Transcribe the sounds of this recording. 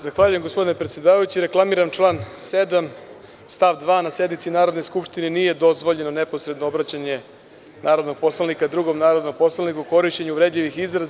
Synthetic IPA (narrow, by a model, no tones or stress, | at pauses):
zaxʋaʎuje̞mɡospo̞d̪inepɾet̪sjed̪aːʋajut͡ɕiɾe̞klˠamiːɾamt͡ʃlˠaːnse̞d̪am | st̪aʋd̪ʋaːnase̞d̪nit̪sinaːɾo̞d̪no̞jskupʃt̪inenije̞d̪o̞zʋo̞ʎe̞none̞po̞sɾe̞d̪noobɾat͡ɕaɲe | naːɾo̞d̪no̞ɡ̚po̞slˠanikad̪ɾuɡo̞mnaːɾo̞d̪no̞ɡ̚po̞slˠanikuko̞ɾiʃt͡ɕeɲuʋɾe̞d̪ʎiʋixizɾaz